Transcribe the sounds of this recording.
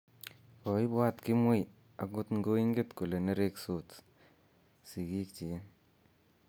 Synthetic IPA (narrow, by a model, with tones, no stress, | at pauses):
kɔ˨i˦ba˦t̪ki˦mu˦j | a˨ɡʊ˦t̪ŋ˦ɡo˦i˦ŋɡe˦t̪ko˨le˨ne˦ɾe˦ksoː˦t | si˨ɡiː˦k̚t͡ʃi˨je˦